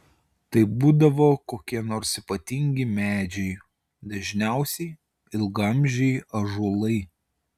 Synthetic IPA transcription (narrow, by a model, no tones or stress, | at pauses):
t̪ɐɪbuːd̪ɐʋoːkoːkʲiɛnoːɾsipɐt̪ʲiŋʲɡʲɪmʲæːd͡ʒʲɛɪ | d̪ɐʒʲnʲæˑʊsʲɛɪ | ɪlˠɡɐmʲʒʲɛɪɐʒulˠɐɪ